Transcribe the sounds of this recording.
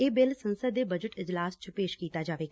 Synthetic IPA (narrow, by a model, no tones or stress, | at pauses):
eːbɪlsənsəd̪eːbəd͡ʒəʈɪd͡ʒlaːst͡ʃpeːʃkiːt̪aːd͡ʒaːʋeːɡa